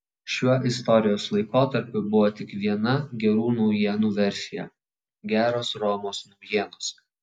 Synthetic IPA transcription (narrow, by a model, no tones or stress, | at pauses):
ʃʲuɔʔɪst̪ɔɾʲɪjoːslˠɐɪkoːt̪ɐɾʲpʲʊbʊʋoːt̪ʲɪkʋʲiɛnɐɡʲɛɾuːnɔʊjiɛnuːʋʲɛɾʲsʲɪjɛ̰ | ɡʲæːɾoːsɾɔːmoːsnɔʊjiɛnoːs